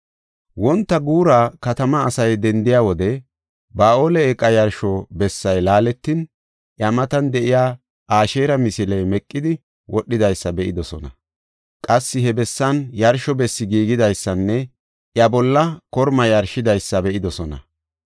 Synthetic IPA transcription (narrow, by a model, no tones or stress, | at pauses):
wɔnt̪ːɐɡuːɾakɐt̪ɐmɐːsɐjd̪ɛnd̪ɪjaːwɔd̪ɛ | baːʔoːlɛɛkʼːɐjɐɾʃɔbɛsːɐjlaːlɛt̪ːɪn | ʔjɐmɐt̪ɐnd̪ɛʔɪjaː | ʔaːʃeːɾɐmɪsɪlɛjmɛkʼːɪd̪ɪ | wʔɔɗːɪd̪ɐjsːɐbɛʔɪd̪ɔsɔnɐ | kʼɐsːɪhɛbɛsːɐnjɐɾʃɔbɛsːɪɡiːɡɪd̪ɐjsːɐnːɛ | ʔjɐbɔlːɐkɔɾmɐjɐɾʃɪd̪ɐjsːɐbɛʔɪd̪ɔsɔnɐ̰